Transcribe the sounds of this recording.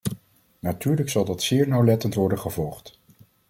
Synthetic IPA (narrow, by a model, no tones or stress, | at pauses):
natyːɹləksɑlˠdɑtsɪːɹnawlɛtəntʋɔɹdəχəvɔlˠχt